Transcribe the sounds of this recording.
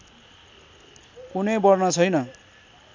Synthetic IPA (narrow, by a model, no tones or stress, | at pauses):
kunʌjbʌrnʌt͡sʰʌjnʌ